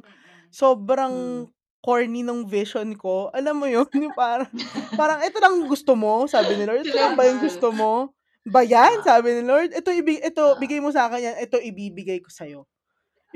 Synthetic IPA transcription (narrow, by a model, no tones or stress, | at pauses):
so̞ːbɾɐŋ | koɹninoŋvɪʃonko̞ʔɐlamːojonjʊŋpaːɾɐŋpaːɾɐŋʔɛt̪o̞lɐŋɡʊst̪omo̞saːbɪnɪloɹd̪̚ɐlɐŋbɐjʊŋɡʊst̪omo̞ | bɐjansaːbɪnɪloɹd̪ʔɛt̪oʔɪbɪɡʔɛt̪o̞bɪɡajmos̬ɐaːkɛɲjanʔɛt̪o̞ʔɪbiːbɪɡajko̞sɐjo̞